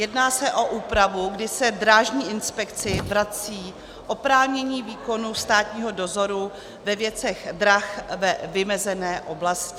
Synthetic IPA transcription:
jɛdnaːsɛʔo̞ʔuːpɾavuɡdɪsɛdɾaːʒɲiːʔɪnspɛkt͡sɪvɾat͡siː | ʔo̞pɾaːvɲɛɲiːviːko̞nust̪aːt̪ɲiːɦo̞do̞zo̞ɾu | vɛvjɛt͡sɛɣdɾaxvɛvɪmɛzɛnɛːʔo̞blascɪ

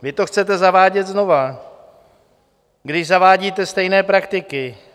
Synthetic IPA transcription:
vɪt̪o̞xt͡sɛt̪̬ɛzavaːɟɛt̪zno̞va | ɡdɪʒzavaːɟiːt̪ɛst̪ɛjnɛːpɾakt̪ɪkɪ

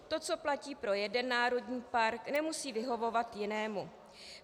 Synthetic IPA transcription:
t̪o̞t͡so̞placiːpɾo̞jɛdɛnːaːɾo̞dɲiːpaɾknɛmusiːvɪɦo̞vo̞vat̪jɪnɛːmu

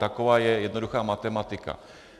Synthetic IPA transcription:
t̪akovaːjɛjɛdnoduxaːmat̪ɛmat̪ɪka̰

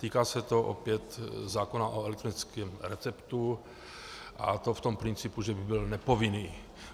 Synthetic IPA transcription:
t̪iːkaːsɛt̪o̞ʔo̰pjɛt̪zaːkonaʔoɛlɛk̚t̪ɾonɪt͡skɛːmɾɛt͡sɛpt̪u | ʔa̰t̪o̞ft̪ompɾɪnt͡sɪpuʒɛbɪbɪlnɛpo̞vɪniː

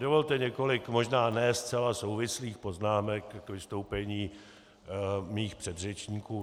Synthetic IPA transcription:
dovolt̪ɛɲɛko̞lɪkmo̞ʒnaːnɛst͡sɛlaso̞wvɪsliːxpo̞znaːmɛkːvɪst̪o̞wpɛɲiː | miːxpr̥ɛd̪rɛt͡ʃɲiːkuː

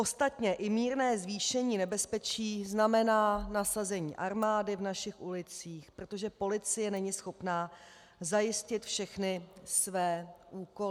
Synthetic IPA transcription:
ʔo̞st̪at̪ɲɛʔɪmiːɾnɛːzviːʃɛɲiːnɛbɛspɛt͡ʃiːznamɛnaːnasazɛɲḭːʔaɾmaːdɪvnaʃɪxʔulɪt͡siːxpɾot̪o̞ʒɛpo̞lɪt͡sɪjɛnɛɲɪsxo̞pnaː | zajɪscɪt̪fʃɛxnɪsvɛːʔuːko

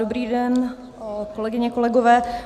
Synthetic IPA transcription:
obɾiːdɛn | kolɛɡɪɲɛko̞lɛɡovɛː

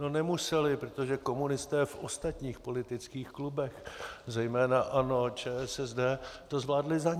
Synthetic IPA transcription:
nonɛmusɛlɪpɾot̪o̞ʒɛko̞munɪst̪ɛːfʔost̪at̪ɲiːxpo̞lɪt̪ɪt͡skiːxklubɛxzɛjmɛːnaʔano̞t͡ʃɛːɛsɛzdɛːt̪o̞zvlaːdlɪzaɲ

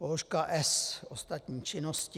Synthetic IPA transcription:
oʃkaʔɛsost̪at̪ɲiːt͡ʃɪnosc

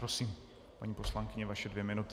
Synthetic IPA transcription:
ɾosiːm | paɲiːpo̞slaŋkɪɲɛvaʃɛdvjɛmɪnut̪

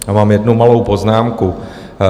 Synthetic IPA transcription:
amaːmjɛdnumalowpoznaːmku

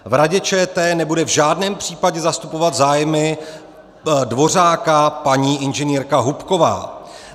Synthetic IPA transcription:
vɾaɟɛt͡ʃɛːt̪ɛːnɛbudɛvʒaːdnɛːmpr̝̥iːpaɟɛzast̪upo̞vat̪zaːjmɪ | dvo̞r̝aːkapaɲiːʔɪnʒɛniːɾkaɦupko̞va̰ː

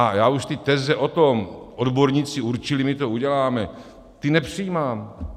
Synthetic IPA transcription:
ajaːuʃt̪ɪt̪ɛzɛʔo̞t̪omodboɾɲit͡sɪuɾt͡ʃɪlimɪt̪o̞uɟɛlaːmɛ | t̪ɪnɛpr̥ijiːmaːm

